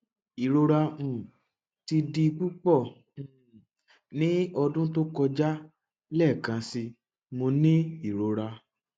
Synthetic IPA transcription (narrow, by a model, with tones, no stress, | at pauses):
i˨ɾo˧ɾã˧˨ | ti˧di˧k͡pu˦k͡pɔ̃˦˨ | nĩ˦ɔ˧dũ˦to˦kɔ˧d͡ʒa˦ | lɛ˦˨kã˧si˧ | mo˧nĩ˦i˨ɾo˧ɾa˧